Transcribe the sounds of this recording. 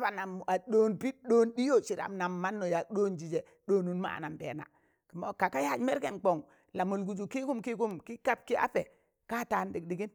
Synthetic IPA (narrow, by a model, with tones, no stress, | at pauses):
a˦ba˨na˨m˨a˨ɗoː˦npi˦ɗo˦ndi˦jo˨t͡ʃi˨ɾa̰˨mna˨mːa˦nːo˨ja˨k̚ɗo˦nd͡ʒi˨d͡ʒe˨ | ɗo˦nu˨nma̰˦˨na˨mbḛ˨na̰˨ | ki˨mo˨ka˨ka˦ja˦˨d͡ʒme˦ɾke˨nk͡po˨ŋ | la˨mu˨lɡu˨d͡ʒu˨ki˦ku˦mki˦ku˦mki˦ka˦p̚ki˦ʔa̰˦pe˨ | ka˦ta˨ndi˨k̚di˨ɡi˦n